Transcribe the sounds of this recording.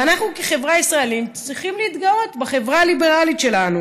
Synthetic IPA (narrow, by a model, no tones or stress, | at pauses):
anaχnukeχe̞vʁaisʁaelimt͡sʁiχimliːt̪ɡao̞t̪baχe̞vʁalibe̞ʁalitʃe̞lanu